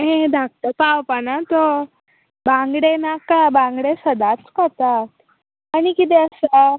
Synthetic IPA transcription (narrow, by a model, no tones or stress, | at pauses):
ɦẽd̪ʱak̚t̪əpawpanat̪ɔ | bãŋɡɽenakabãŋɡɽesəd̪at͡skat̪aː | ɽ̃ikit̪ɛəsa